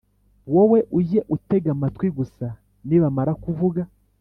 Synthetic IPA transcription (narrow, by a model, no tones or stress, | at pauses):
wowe̞ʔuje̞ʔute̞ɡamatwiɡusa | niβamaɾakuvuɡa